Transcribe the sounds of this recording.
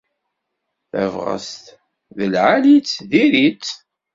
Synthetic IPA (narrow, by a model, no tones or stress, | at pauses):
θæ̰vʁə̰st̪ | ðəlʕalit͡sːðiɾit͡sː